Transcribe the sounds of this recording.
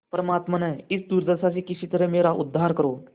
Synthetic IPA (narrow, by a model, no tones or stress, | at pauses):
pɾəmat̪mənəit͡sd̪uːɾd̪əsat͡ɕiːkiɕit̪əɾəmeɾaʔud̪ʱːaɾkəɾo